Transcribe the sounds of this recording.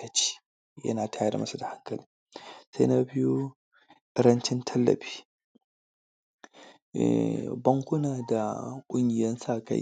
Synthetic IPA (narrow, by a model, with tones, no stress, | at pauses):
ɐ˨t͡ʃi̥˦ | jɐ̰˦naː˨ta˦ja˨da̰˨mɐ˦sɐ˦da˨ha˦kːɐ˨l | sḛ˦na˦bɪ˦ju˦ | ɾɐ˦nt͡ʃɪ˦ntʰɐ˦lːɐ̰˨bi̥˦ | bɐ˦ŋkʷʊ˦naː˨da˨kʷʼʊ˦ɲɡi˨jɐ˦nsaː˦kɐ̰˨